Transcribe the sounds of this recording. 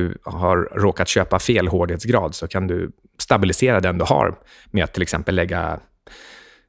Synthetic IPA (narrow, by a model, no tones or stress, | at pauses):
ɵhaɾːoːkat̪ɕøːpafeːlɦoːɖɪheːt̪sɡɾɑːd̪sɔkʰand̪ɵ̰ | st̪abɪlɪseːɾad̪ɛnd̪ɵha̰ɾ | meat̪ʰːɪlɛksɛmpəlːɛɡːa̰